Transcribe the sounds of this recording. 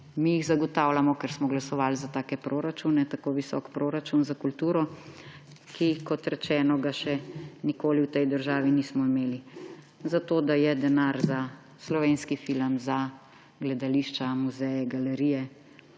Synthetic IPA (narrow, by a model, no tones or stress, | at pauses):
mijiɣzaɡɔt̪aːwlamɔkɛɾsmɔɡlasɔʋaːlzat̪aːkɛpɾoːɾat͡ʃunɛt̪akoːʋisɔ̰kpɾoːɾat͡ʃunzakult̪uːɾɔ | kikɔt̪ɾɛt͡ʃɛːnɔɡaʃɛnikoːliwt̪ɛjd̪əɾʒaːʋiniːsmɔimeːli | zat̪oːd̪ajɛd̪ɛnaɾza | slɔʋeːnskifiləmza | ɡlɛd̪aliʃt͡ʃamuzɛjɛɡalɛɾiːjɛ